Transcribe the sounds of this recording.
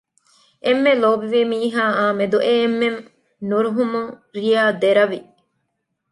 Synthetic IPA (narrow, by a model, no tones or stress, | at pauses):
ʔemːeloːbiʋimiːɦaːaːmed̪uʔemːen | nuɾuɦumuŋɾijaːd̪eɾɐʋi